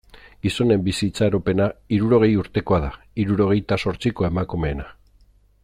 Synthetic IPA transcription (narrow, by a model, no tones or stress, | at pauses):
ɡ̥iso̞ne̞mbisit͡saeɾo̞pe̞naiɾuɾo̞ɣ̞e̞juɾt̪e̞ko̞aða | iɾuɾo̞ɣ̞e̞jt̪aso̞ɾt͡siko̞e̞makume̞ːna